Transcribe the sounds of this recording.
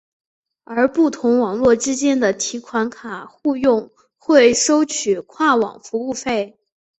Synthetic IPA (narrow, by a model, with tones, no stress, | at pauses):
ə˞˧˥pu˥˩t̪ʰʊ˧˥ŋwɑ˨˩ŋlwɔ˥˩ʈ͡ʂɻ̩˥t͡ɕjɛ˥nd̪ə˨t̪ʰi˧˥kʰwa˧˥nkʰa˨˩xu˥˧jʊ˥˧ŋ | xwe˥˩ɪʂo˥ʊt͡ɕʰy˨˩kʰwa˥˩wɑ̰˨˩ŋfu˧˥u˥˧fe˥˩ɪ